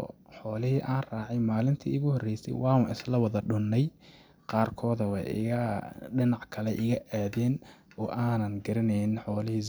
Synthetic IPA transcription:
ħɔːlɪɦiʔaːnraːʕɑjmaːlɪnt̪ʰḭɪɣʊhɔrɛjsɛ̰jwɑːʊnʔɪ̰slɐwɐðɐɖʊnːɛj | qɑːrkʰɔːðɐwɑɪ̰ɐɖɪnɑʕkʰɐlɛʔɪɣɐʔaːðɛːnɔːʔaːnɐnɡɐɾɪnɛjnħɔːlɪhi

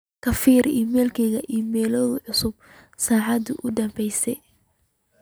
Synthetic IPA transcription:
kʰɐfiːɾiːmɛːlkʰɛɣɐʔiːmɛːlɔːðʊʕʊsʊb̚ | saːʕɑd̪ʊʔʊd̪ɐmbɛjsɛ

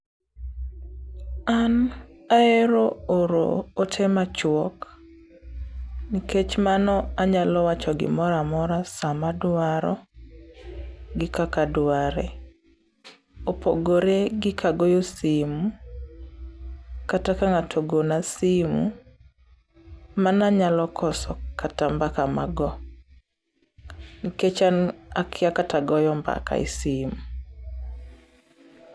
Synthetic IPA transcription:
anaɛɾooɾo̰ːtʰɛmat͡ʃwɔk | niket͡ʃmanɔaɲalɔwat͡ʃɔɡɪ̰mɔɾamɔɾasamadwaɾɔ̰ | ɡɪkakadwaɾɛ̰ | opoɡoɾeɡɪkʰaɡɔjosimu | katakaŋatʰoɡonasimṵ | manaɲalɔkʰɔsɔkʰatambakamaɡɔ | ŋket͡ʃanakʰɪakataɡɔjɔmba̰ka̰ḭsimu

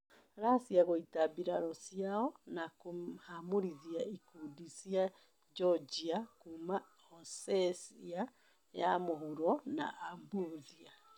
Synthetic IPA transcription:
ɾasiaɣoitabiɾaɾɔsiaɔnakuamoɾiðiaʔikudisia | d͡ʒɔd͡ʒiakuma | ɔsɛsia | ja̰mohuɾɔna̰ʔambuðia

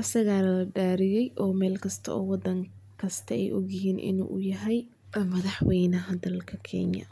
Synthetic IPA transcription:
ʔɐsɐɣaːlɐɐɖaːɾɪjɛjʔɔːmɛːlkʰɐst̪ʰɐ̰ɔːwɑd̪ɐŋ | kʰɐst̪ʰɐɛjʔɔɣjɪɦiːnʔɪ̰nṵːʔʊjɐɦɛj | mɐðɑħwɛjnɐɦɐd̪ɐlkʰɐkʰɛ̰ɲjɐ̰

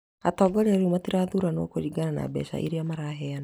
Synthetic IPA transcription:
atɔːɡɔɾeaɾumatiɾaːðuɾano̰ːkoɾiɡanana̰bɛ̰sa̰ʔḭɾeamaɾaːɦɛana

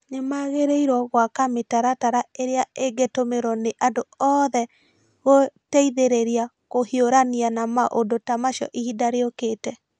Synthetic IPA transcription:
ɲemaɣeɾeiɾwɔɣwakametaɾataɾaeɾeaeɡetomeɾɔneʔandoɔːðɛ | ɣotɛiðeɾeɾia | koɦioɾanianamaʔodotamaʃɔ̰ʔiidaɾeokeːtɛ

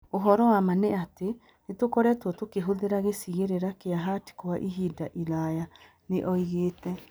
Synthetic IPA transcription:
oɦɔɾɔwamaneate | netokɔɾɛtwɔtokeɦoðeɾaɣesiɣeɾeɾakeaɦati̥koaʔiɦidaʔilaja | neʔɔiɣeːtɛ

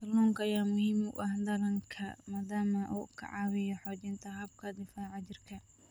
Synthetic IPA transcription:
kɐlɔːŋkʰɐɐjaːmʊhiːmʊ̰ʔɐhd̪ɐlɐŋkʰɐmaːd̪aːmɐʔṵːkʰɐ̰ʕɑwɪjɔħɔːt͡ʃɪnt̪ʰɐɦɐb̚kʰɐd̪ɪfaʕɑt͡ʃɪrkʰɐ

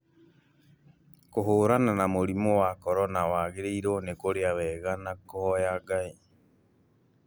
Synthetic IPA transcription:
koɦoːɾananamoɾimowakɔɾɔnawaːɣeɾeiɾonekoɾeaβɛːɣanakoɔjaɡai

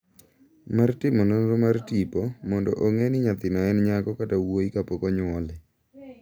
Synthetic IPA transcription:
martɪmɔnonɾomartipomɔndɔ̰ʔoŋenɪɲat̪ɪnɔɛnɲaɡɔkatawoikapɔkɔɲwɔlɪ

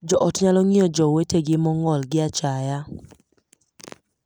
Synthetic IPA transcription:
d͡ʒɔʔɔtɲalɔŋiɔd͡ʒɔweteɡɪmɔŋɔlɡɪat͡ʃaja

